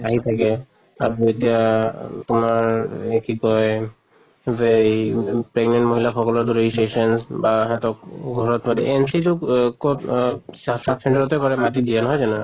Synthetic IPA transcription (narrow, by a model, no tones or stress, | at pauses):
aɦit̪ʰakɛ | aɹoetijat̪ʊmaɹekikɔj | be | pɹeɡnɛnʈmoɦilaxʰɔkɔlɔɹd̪uɾeiseʃɔnsbaɦɛt̪ɔk̚ɡʱɔɹɔt̪mad̪ɛ̰ʔensitʊkʰusasapsɛɳʈaɹɔt̪ɛkɔɹɛmatid̪ijɛnɔɦɔjzanɛa